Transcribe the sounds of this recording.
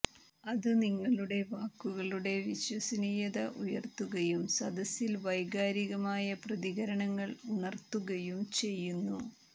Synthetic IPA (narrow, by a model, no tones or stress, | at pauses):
ɐðɨniŋːɐɭuɽe̞ʋaːkːuɣɐɭuɽe̞ʋiɕwɐsɐnijɐðɐʔujɐrt̪ːuɣɐjumsɐd̪ɐsilʋɐjɡaːɾiɣɐmaːjɐprɐðiɣɐɾɐɳɐŋːɐɭuɳɐrt̪ːuɣɐjumt͡ɕe̞jːunːu